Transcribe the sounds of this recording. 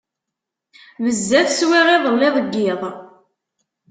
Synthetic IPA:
vəzːæθswiʁiðˤəlːiðˤəɡːɪðˤ

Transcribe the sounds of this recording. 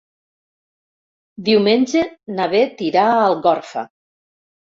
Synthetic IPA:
d̪iwmenʲʒenaβet̪iɾaəlˠɣɔɾfa̰

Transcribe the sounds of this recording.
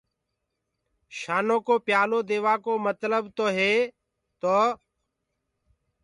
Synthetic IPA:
ʃaːnõːkoːpɪjaːloːd̪eːʋaːkoːmət̪ləbt̪oːɦeː | t̪oː

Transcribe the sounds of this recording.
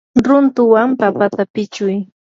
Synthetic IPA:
ɾʊnt̪ʊwampapat̪apɪt͡ʃʊj

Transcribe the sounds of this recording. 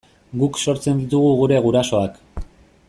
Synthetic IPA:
ɡukso̞ɾt͡se̞nd̪it̪uɣuɣuɾe̞ɣuɾaso̞ak

